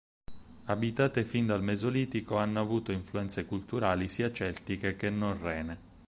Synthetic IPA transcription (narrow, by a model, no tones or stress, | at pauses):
abit̪aːt̪efind̪almezoliːt̪ikoanːoavuːt̪oiɱfluɛnt̪sekult̪uɾaːlisiːat͡ʃɛlt̪ikekenːonrɛːne